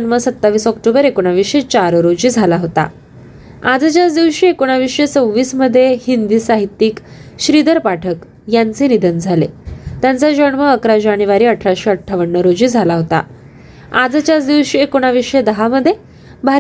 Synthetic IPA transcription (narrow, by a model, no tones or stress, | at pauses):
ɳməsət̪ːaʋiːsɔkʈobəɾekoɽ̃aʋiɕet͡ɕaɾɾod͡ʑiːd͡zʱalaɦot̪a̰ | ad͡zət͡ɕjat͡sd̪iʋɕiekoɽ̃aʋiʂet͡səʋiːsməd̪ʱːjehind̪iːsaɦit̪ːiːk | ɕɾid̪əɾpaʈʰək | jant͡senid̪ʱənd͡zʱalḛt̪jant͡sad͡ʑəɳməəkɾad͡ʑaɽ̃iʋaɾiːəʈʰɾaɕiːəʈʰːaʋəɳːəɾod͡ʑiːd͡zʱalaɦot̪a̰ | ad͡zt͡ɕat͡sd̪iʋɕiekoɽ̃aʋiʂed̪əɦaməd̪ʱːje | bʱa